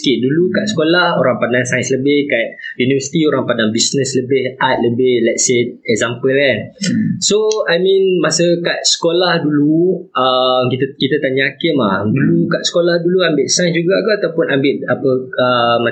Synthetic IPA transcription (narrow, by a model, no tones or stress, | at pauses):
kiʔ̚dulukaʔsə̥kolahoɾaŋpadaŋsajsləbɪhkat̪̚junivəsi̥t̪ioɾaŋpadaŋbisnəsləbɪhat̪̚ləbɪhlɛt̚seɛk̚zampəlansoajmĩnmasəkaʔ̪̚sə̥kolahduluəmkit̪kit̪ət̪aɲakɪmlahdulukaʔsə̥kolahduluambɪʔsajsd͡ʒuɡak̪uat̪awpʊnambɪʔ̚apəəma